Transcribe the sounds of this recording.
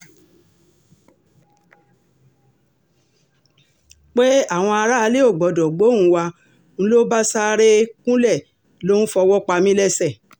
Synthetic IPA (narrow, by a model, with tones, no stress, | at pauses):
k͡pe˦a˦˨w̃ɔ̃˧a˧ɾa˦a˧le˦o˦˨ɡ͡bɔ˨dɔ˨ɡ͡bo˨˦˨ũ˨˧˦wa˧ | ñ̩˦lo˦ba˦sa˦ɾe˦kũ˦lɛ˦˨ | lo˦n̩˦fɔ˧wɔ˦k͡pa˧mĩ˦lɛ˦sɛ˦˨